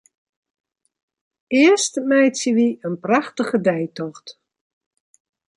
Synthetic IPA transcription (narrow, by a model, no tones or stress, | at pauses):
ɪəstmɛjtsəʋiənpraxtəɣədɛjtɔxt